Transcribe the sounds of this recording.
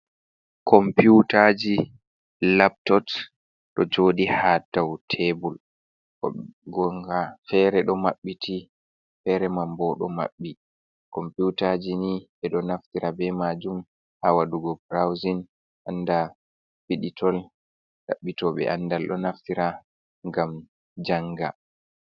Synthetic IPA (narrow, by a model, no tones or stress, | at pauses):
kʰɔmpjutad͡ʒi | lap̚tɔt | ɗɔd͡ʒoːɗihatawtʰebul | ɡɔŋɡafɛɾɛɗɔmaɓːitʰi | fɛɾɛmambɔɗɔ̰ma̰ɓːi | kɔmputad͡ʒiniɛɗɔnaftiɾabɛmad͡ʒum | hawaduɡɔbɾawzin | ʔanda | piɗitʰɔl | ɗa̰ɓːitɔɓɛ̰ʔandalɗɔnaftiɾa | ŋɡam | d͡ʒaŋɡa